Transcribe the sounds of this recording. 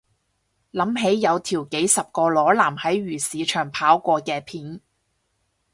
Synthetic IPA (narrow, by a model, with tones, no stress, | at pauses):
lɐ˨˥mɦe˨˥jːɐ˨˧wt̪ʰiː˨˩wke˨˥jsɐ˨p̚kɔː˧lɔː˨˥laː˨˩mhɐ˨˥jɥyː˨˩siː˨˧t͡ʃʰœː˨˩ŋpʰaː˨˥wkʷɔː˧kɛː˧pʰiː˨˥n